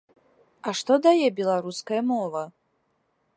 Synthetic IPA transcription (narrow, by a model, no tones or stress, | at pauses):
aʂt̪ɔd̪ajɛbʲɛlˠaɾuskɐjɐmɔvɐ